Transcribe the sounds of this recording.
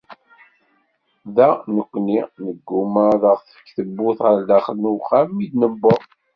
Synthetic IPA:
ðænəkʷːninəɡːuməðəʁθə̥kːθəbːʊθʁəɾd̪æχələnuχamːidnəbːəʁ

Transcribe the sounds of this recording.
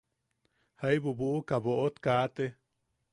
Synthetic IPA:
hajbubuʔkaboʔot̪kat̪e

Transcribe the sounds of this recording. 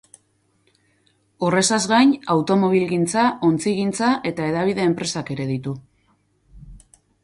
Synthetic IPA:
ore̞sazɣajnawt̪o̞mo̞β̞ilɣint͡sao̞nt͡siɣint͡saʔe̞t̪ae̞ðaβ̞iðe̞ːmpɾe̞sake̞ɾe̞ðit̪u

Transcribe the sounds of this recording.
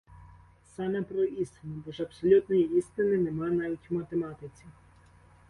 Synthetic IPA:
sɑnɛpɾɔist̪ɪnɔbɔʒɐpsɔlʲut̪nɔjiist̪ɪnɪnemɑjnɑʋʲitʲmɐt̪emɑt̪ɪt͡sʲi

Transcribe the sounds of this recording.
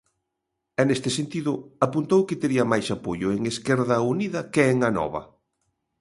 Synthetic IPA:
ɛnest̪ɪsent̪iðʊapunt̪owkɪt̪eɾiɐmajsapoʎʊeŋeskɛɾðɐuniðɐkeeŋanɔ̰βɐ̰

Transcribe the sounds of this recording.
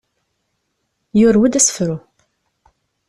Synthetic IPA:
jʊɾwid̪æsfɾu

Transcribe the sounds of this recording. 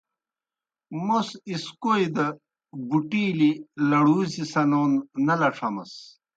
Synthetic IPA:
mosiskojd̪ɐ | buʈiːlilɐɽuːzisɐnoːnːɐlɐʈ͡ʂʰɐmɐ̰s

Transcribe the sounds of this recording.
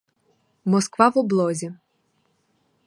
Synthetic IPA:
mɔskʋɑwɔblˠɔzʲi

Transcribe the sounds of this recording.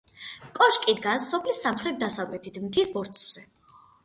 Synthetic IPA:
kʼɔʃkʼid̪ɡasːɔpʰlisamχɾɛt̪̚d̪asavlɛt̪ʰit̪ʰmt̪ʰisbɔɾt̪sʰʼvz̥ɛ

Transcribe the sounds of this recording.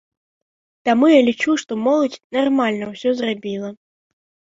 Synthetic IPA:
t̪amujalʲit͡ʂuʂt̪ɔmɔlˠɐt͡sʲnarmalʲnɐwsʲɔzrabʲilˠɐ

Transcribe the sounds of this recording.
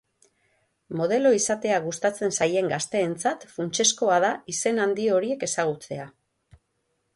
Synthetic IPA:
mo̞ð̞e̞lo̞isat̪e̞aɣust̪at͡se̞nsaje̞ŋɡast̪e̞ːnt͡sat̪funt͡ʃe̞sko̞að̞aise̞nand̪io̞ɾie̞ke̞saɣ̞ut͡se̞a

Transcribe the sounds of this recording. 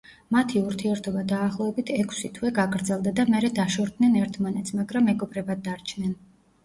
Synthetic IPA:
mat̪ʰiuɾt̪ʰiɛɾt̪ʰɔbad̪aːχlˠɔɛbit̪ʰɛkʰsit̪ʰwɛɡaɡɾd̪zɛlˠd̪ad̪amɛɾɛd̪aʃɔɾd̪nɛnɛɾt̪ʰmanɛt̪sʰmaɡɾamːɛɡɔbɾɛbad̪̚d̪ːaɾt͡ʃʰnɛn

